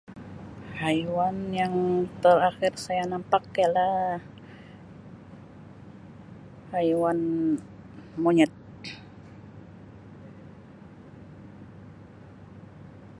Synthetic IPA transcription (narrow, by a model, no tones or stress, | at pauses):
hajwanjaŋt̪əɾaxɪrsajanampakːajalah | hajwan | moɲɛt̪̚